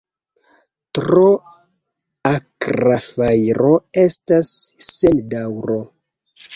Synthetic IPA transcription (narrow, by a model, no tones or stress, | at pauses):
tɾo | akɾafajɾo̞e̞stasːe̞ldawɾo̞